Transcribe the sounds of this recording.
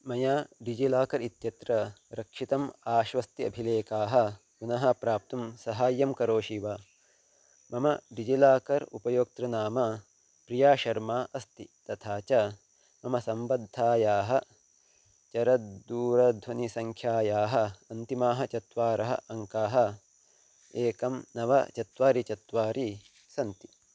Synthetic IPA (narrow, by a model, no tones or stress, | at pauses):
mɐjaːɖid͡ʒilaːkɐɾit̪jɐt̪ɾɐɾɐkʂit̪ɐmaːʃʋɐst̪iɐ̰bʱileːkaːɦɐ̆ | kunɐɦɐpɾaːp̚t̪umsɐɦaːjːɐmkɐɾoːʃiʋaː | mɐmɐɖid͡ʒilaːkɐɾṵpɐjoːk̚t̪ɾɐnaːmɐ | pɾijaːʃɐɾmaːʔɐst̪it̪ɐt̪ʰaːt͡ʃɐ | mɐmɐsɐmbɐd̪ʱːaːjaːɦɐ | t͡ʃɐɾɐd̪uːɾɐd̪ʱʋɐnisɐŋkʰjaːjaːɦɐɐnt̪imaːɦɐt͡ʃɐt̪ʋaːɾɐɦɐ̰ʔɐŋkaːɦɐ̆ | eːkɐmnɐʋɐ̰t͡ʃɐt̪ʋaːɾit͡ʃɐt̪ʋaːɾi | sɐnt̪i̥